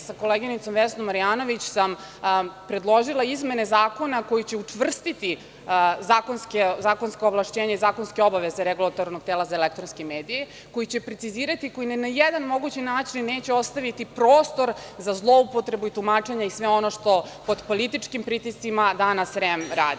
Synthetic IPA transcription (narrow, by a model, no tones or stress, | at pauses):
sako̞leɡinit̪so̞mʋesnomːaɾijaːno̞ʋit͡ɕsam | pɾe̞d̪lˠo̞ʒilˠaizme̞ne̞zaːko̞nako̞jit͡ɕe̞ut͡ʂʋr̩st̪it̪i | zaːkonskezaːko̞nskooʋlˠaʃt͡ɕeːɲaizaːko̞nskeo̞baʋeze̞ɾeɡulˠat̪oɾno̞ɡ̚t̪eːlazaelekt̪ɾonskemeːd̪ije | ko̞jit͡ɕe̞pɾet̪siziːɾat̪iko̞jinenajed̪anmo̞ɡut͡ɕinaːt͡ʃinːeːt͡ɕeo̞st̪aʋit̪ipɾo̞ːst̪o̞ɾzazlˠo̞upo̞t̪ɾe̞buit̪umaːt͡ʂe̞ɲaisʋeo̞noʃt̪o̞po̞d̪po̞lit̪it͡ʂkimpɾit̪ist̪simad̪anasɾemɾa̰ːd̪i